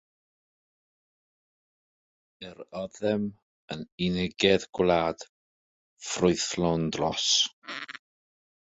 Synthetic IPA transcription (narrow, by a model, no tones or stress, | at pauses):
ɛɾɔðɛm | əninɪɡɛðɡ̥wlˠaːd̥ | frʊɨθlˠɔndrɔs